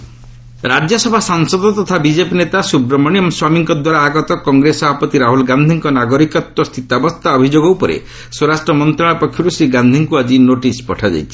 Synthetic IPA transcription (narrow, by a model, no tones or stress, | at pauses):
ɾad͡ʒjɔsɔbʱasaŋsɔd̪ɔt̪ɔt̪ʰabid͡ʒepinet̪asubɾɔmɔɽ̃ijɔmswamiŋkɔd̪waɾaːɡɔt̪ɔkɔŋɡɾesɔbʱapɔt̪iɾaɦulɡand̪ʱiŋkɔnaɡɔɾikɔt̪ːɔst̪ʰit̪abɔst̪ʰaɔbʱid͡ʒoɡɔwpɔɾḛ | soɾasʈɾɔmɔnt̪ɾaɭ̃apɔkʰːjuɾusiɡand̪ʱiŋkuad͡ʒinoʈispɔʈʰad͡ʒa̰jt͡ʃʰi